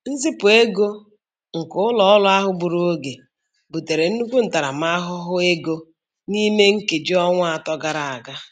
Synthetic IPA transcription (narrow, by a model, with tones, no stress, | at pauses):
n̩˦zi˦pʊ˨e˦ɡo˦ | ŋ̩˨kʊ˦ʊ˦lɔ˦ɔ˦lʊ˦a˦ɦʊ˦bu˨ɾu˦o˦ɡe˨ | bu˨te˨ɾe˨n̩˦nu˦kʷu˦n̩˨ta˨ɾa˨m˦a˦ɦʊ˦ɦʊ˦e˦ɡo˦ | ni˦me˦ŋ̩˦ke˨d͡ʒi˦ɔ˦ŋʷʊ˦a˨tɔ˦ɡa˨ɾa˨a˨ɡa˦